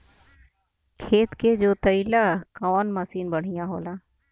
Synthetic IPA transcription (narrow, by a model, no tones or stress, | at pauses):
kʰeːt̪keːd͡ʒoːt̪əilaːkɔːnməsiːnbəɳ̤ɪjãːɦo̰ːlaː